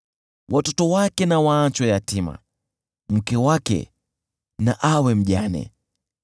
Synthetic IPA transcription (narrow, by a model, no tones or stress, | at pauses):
wʔatɔtɔwakɛnawaːnt͡ʃɔjatima̰ | m̩kɛwakɛ̰ | naʔawɛm̩ʄanɛ̰